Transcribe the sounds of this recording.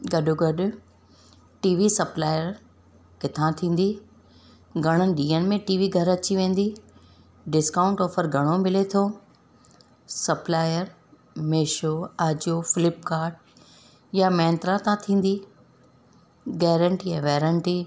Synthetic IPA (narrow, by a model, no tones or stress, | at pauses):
ɡɐɗʊɡɐɗʊ | ʈiːʋisɐplaːɪjəɾ | kɪt̪ʰãt̪ʰĩːn̆d̪i | ɡʱɐɽ̃ənɪ̆ɗiːənɪ̆mẽʈiːʋiɡʱɐɾɐt͡ɕiʋẽːn̆d̪i | ɖɪskãːʊ̃ɳʈɔːfəɾɡʱɐɽ̃omɪlet̪ʰoː | sɐplaːɪjəɾ | meːʃoaːd͡ʑofɪlɪpkaːɾʈ̚ | jamɛ̃ːnt̪ɾãt̪ãt̪ʰĩːn̆d̪i | ɡɛːɾə̃ɳʈiɛ̃ʋɛːɾəɳʈi